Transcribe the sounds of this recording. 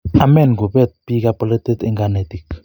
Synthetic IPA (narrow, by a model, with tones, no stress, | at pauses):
a˨mɛ˦˨nɡu˨bɛ˦t̪̚pi˦ka˦pɔ˦lɛ˦t̪e˦t̪ɛ˦ŋɡa˦ne˨t̪i˨k